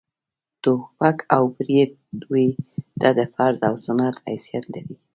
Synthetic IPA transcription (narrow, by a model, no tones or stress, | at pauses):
t̪oxpakʰawbɾed̪̚d̪ujd̪̥ɑd̪əfaɾzawsanɑt̪ha̰jsijat̪laɾi